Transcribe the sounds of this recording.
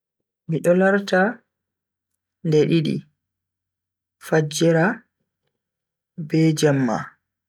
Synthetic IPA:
miɗɔlaɾta | ndɛɗiɗḭ | fad͡ʒːɛɾa | bɛd͡ʒɛmːa̰

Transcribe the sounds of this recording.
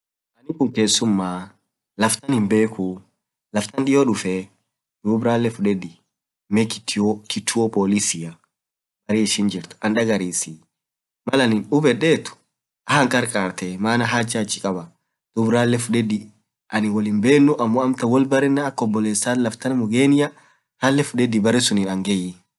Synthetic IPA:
ʔɐnɪkʊŋke̞ːsːʊmːaː | lɐft̪ɐnhɪmbe̞ːku | lɐft̪ɐnᶑɪjɔːᶑʊfɛ | d̪̥uːbɾaːlːɛfʊᶑɛd̪ɪ | mɛkɪ̥t̪ːɪokɪt̪ːʊɔpʼoːlɪsɪjɐ | bɐɾiːɪʃɪnd͡ʒɪɾt̪ʊ̥ɐnᶑɐɡɐɾiːsi | mɐlɐnɪnʊbɛᶑeːt̪ʊ̥ | ʔɐhɐŋkʼɐɾkʼaːɾt̪ɛmaːnɐɦaːd͡ʒat͡ʃːɪ̥kʼɐbɐ | d̪̥ʊbɾaːlːɛfʊᶑɛd̪ɪ | ʔɐnɪwɔlɪmbeːnːʊʔɐmːɔɐmt̪ɐwɔlbɐɾɪnːaːkːɔbːɔleːsːaːlɐft̪ɐnmʊɡeːnɪjɐ | halːɛfʊᶑɛd̪ɪbɐɾɛsʊnɪnɐŋɡɛjːɪ

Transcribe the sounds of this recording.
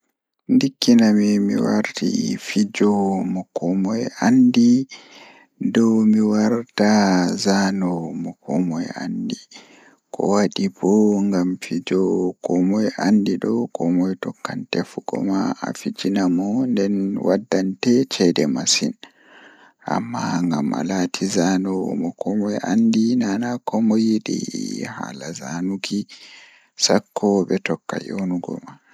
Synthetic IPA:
ndikːinamimḭwa̰ɾtḭfid͡ʒɔmɔkɔmɔjandi | dɔwmiwaɾtazanɔmɔkɔmɔja̰ndi | kʰɔ̰waɗibɔŋɡamfid͡ʒɔkɔmɔjandiɗɔwkɔmɔjtɔkːantɛfuɡɔ̰maʔa̰fid͡ʒinamɔndɛnwʔadːantɛt͡ʃɛdɛmasin | ʔa̰mːaŋɡamʔa̰latʰizanɔmɔkɔmɔjʔandinanakɔmɔjiɗḭha̰lazanuki | sakʰːɔbɛtɔkːa̰jonuɡɔ̰ma

